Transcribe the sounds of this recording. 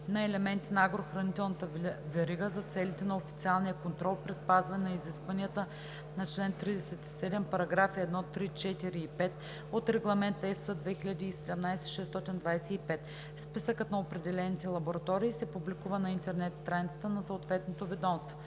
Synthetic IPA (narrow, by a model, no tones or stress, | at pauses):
nɐɛlɛmɛnt̪inɐaɡɾoxɾɐnit̪ɛlˠnɐt̪əvɛɾiɡəzɐt̪sɛlit̪ɛnɐofi̥t̪sialˠnijəkont̪ɾɔlˠpɾispazvɐnɛnɐiziskvɐniət̪ə | nɐt͡ʃlɛnt̪ːɾid̪ɛsɛt̪i̥sɛd̪ɛmpɐɾɐɡɾafiɛd̪nɔt̪ɾit͡ʃɛt̪iɾiːpɛt̪ | ot̪ɾɛɡlˠɐmɛnt̪ɛsəd̪vɛxiʎʲɐd̪iːsɛd̪ɛmnajsɛ̥ʃɛst̪ɔt̪ind̪vajsɛipɛt̪ | spisəkət̪nɐopɾɛd̪ɛlɛnit̪ɛlˠɐboɾɐt̪ɔɾiːsɛpublikuvənɐint̪ɛɾnɛt̪st̪ɾanʲit̪ə̥t̪ənɐsəot̪vɛt̪not̪ovɛd̪ɔmst̪vo